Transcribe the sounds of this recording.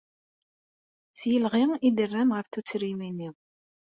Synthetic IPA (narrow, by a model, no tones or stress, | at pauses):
t͡sjəlʁiŋid̪ərːænʁəfθut͡sːɾiminiʁ